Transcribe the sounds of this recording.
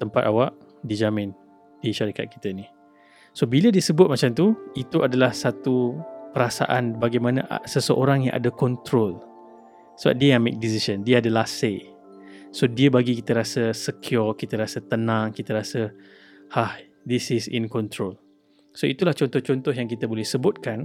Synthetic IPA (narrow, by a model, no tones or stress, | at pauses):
t̪əmpat̪awaʔ | did͡ʒamɪ̃n | d̥iʃaɾika̰t̪̚ki̥t̪əini | sobilədiəsəbʊt̪̚mat͡ʃamt̪uit̪uadalahsat̪upəɾasa̰ʔanbaɡajmanaʔa̰səsəʔoɾaŋja̰ŋʔa̰dəkɔnt̪ɾol | səba̰p̚diəamḛk̚dis̬isəndiəadəlase | sodiəbaɡikit̪əɾasəsəkʰjɔrkit̪əɾasət̪ənãŋkit̪əɾasə | hah | d̪isisḭnkɔnt̪ɾol | soit̪ulaht͡ʃɔnt̪ɔht͡ʃɔnt̪ɔɦjaŋkit̪əbolɛhsəbʊt̪̚kan